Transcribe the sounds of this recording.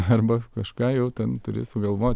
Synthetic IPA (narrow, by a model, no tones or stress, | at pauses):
ɐrbɐkɐʃkɑːjɛʊt̪ʲɛnt̪ʊɾʲḛːsʊɡɐlˠʋoːt̪ʲ